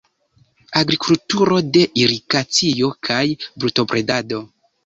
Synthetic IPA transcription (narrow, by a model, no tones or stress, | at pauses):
aɡɾikultuɾo̞de̞ʔiɾikat͡sio̞kʰajbɾuto̞pɾe̞dado̞